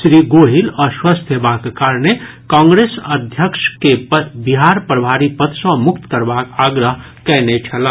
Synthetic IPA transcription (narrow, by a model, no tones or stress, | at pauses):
ʃɾiːɡoːɦilɔːɾswast̪ʰjəbaːkekaːɾɳe | kãːŋɡɾeːsɐd̪ʱjəkʃkepbɪɦaːɾpɾəbʱaːɾipət̪ʰʃõmʊkt̪kɐɾbaːkaːɡɾəɦ | kɛːnet͡ʃʰɐlaː